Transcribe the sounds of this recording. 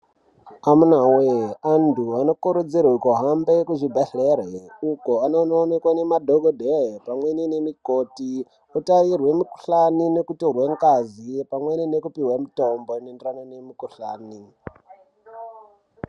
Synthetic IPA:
amunaweandʰʱuano̞kuɾud͡zirwekoɦambekuʐibʱaɬereukoanononekwanemadʱoɡʱodʱepamweninemikoti | otaʋirwe̞miku̥ɬaninekutorweŋkazipamwenine̞kupiwamitombonenderanonemikuɬa̰ːni

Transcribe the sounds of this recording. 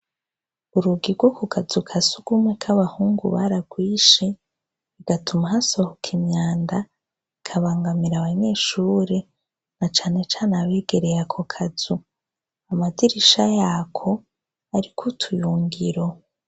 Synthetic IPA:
uɾuɡiɾɡwokokʰazukʰasuɡ̥umwekʰaβahuːŋɡṵβaɾaɡwiːʃe̞ | iɡ̥atʰumaɦasohokʰiɲɲaːnda | ikʰaβaːŋɡamiɾaβaɲe̞ːʃuːɾe̞ | nat͡ʃaːne̞t͡ʃaːnaβeːɡe̞ɾe̞ɾakʰokʰaz̥u | amadiɾiʃajaːkʰo̞ | aɾikʰutʰujuːŋɡiɾo

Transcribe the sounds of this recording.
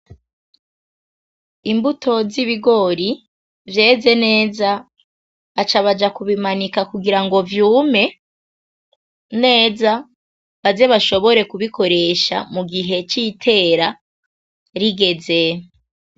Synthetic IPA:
imbutʰo̞ziβiɡo̞ɾi | vje̞ːze̞ne̞ːza | βat͡ʃaβad͡ʒakuβimanikakuɡiɾaŋɡo̞vjuːme̞ | ne̞ːza | βaze̞βaʃo̞βo̞ɾe̞kuβiko̞ɾe̞ʃa̰muɡiɦe̞t͡ʃitʰe̞ːɾa | ɾiɡe̞ze

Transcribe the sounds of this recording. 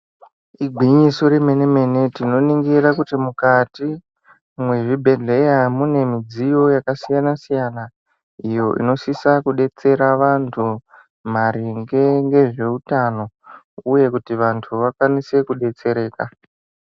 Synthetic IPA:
iɡʱiɲiso̞ɾeme̞neme̞ne̞tino̞niŋɡirakutimukati | mwe̞ʐibʱe̞ɮe̞jamune̞mid͡zijo̞jakasijanasijana | ijo̞ʔḭno̞sisakuɗe̞t͡se̞ɾaʋantʰu | m̤aɾiŋɡeŋɡe̞ʐe̞utano̞ | uje̞kutiʋantʰuʋakwanise̞kuɗe̞t͡se̞ɾe̞ːka

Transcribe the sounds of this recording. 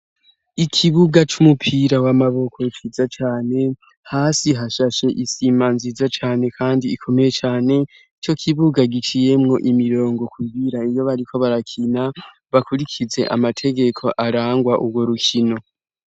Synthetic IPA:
ikʰiβuɡat͡ʃumupʰiɾawamaβo̞kʰoit͡ʃizat͡ʃaːne̞ | haːsiɦaʃaʃe̞ʔisimanzizat͡ʃaːne̞kʰaːndiːkʰo̞me̞je̞t͡ʃaːne̞ | it͡ʃo̞kʰiβuɡaɡit͡ʃije̞mŋo̞ʔimiɾo̞ːŋɡo̞kuɡiɾaijo̞βaɾikʰo̞βaɾakʰina | βakuɾikʰize̞ʔa̰matʰe̞ɡe̞kʰo̞ʔaɾaːŋɡwaʔubɡwo̞ɾukʰino̞

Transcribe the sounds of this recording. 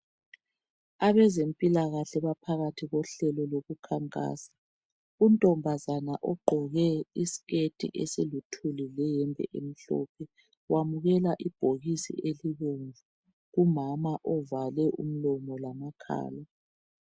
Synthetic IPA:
aβɛzempʼilaɣaɬɛβapʰaɣatʰiɣɔɬɛlɔloɣukʰaŋkʼa̰ːsḁ | untʼɔmbʱazanaʔɔɡ͡ǃʱɔɣɛisi̥ɣetʼḭʔesilutʰulilɛjɛmbʱɛ̰ʔem̩ɬɔ̰ːpʰɛ | wamuɣɛlaʔib̥ʱoɣisḭʔeliɣoɱvu | ɣumamaʔɔvalɛʔṵm̩lɔmɔlamakʰa̰ːla

